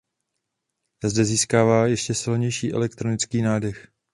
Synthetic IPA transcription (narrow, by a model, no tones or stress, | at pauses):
azdɛziːskaːvaːjɛʃcɛsɪlɲɛjʃiːʔɛ̰lɛkt̪ɾonɪt͡skiːnaːdɛx